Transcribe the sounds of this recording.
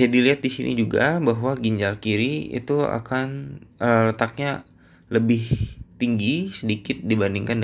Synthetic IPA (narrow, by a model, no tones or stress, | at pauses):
d͡ʒadiliɦat̪̚disinʔḭd͡ʒuɡa̰baɦwaɡiɲd͡ʒalkiɾiḭt̪ua̰kanələt̪ak̚ɲa | ləbɪht̪iŋɡisədikɪt̪̚dibandiŋkand